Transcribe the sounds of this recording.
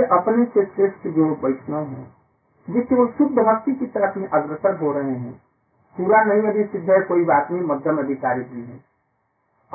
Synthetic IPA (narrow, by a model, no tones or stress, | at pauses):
eʔɐpnesesɾeːsked͡ʒoːɾpəɪʈʰnoɦɛ̰̃ː | d͡ʒɪseosʊbb̪əɦəkt̪ikit̪əɾəfmĩʔɐɡɾəsəɾɦoɾɐɦeɦɛ̰̃ | puːɾanɐɦĩədisɪd̪ʱːəkoːibaːt̪nəɦĩməd̪ʱjəmɐd̪ʱɪkaːɾid̪iɦɛ̰̃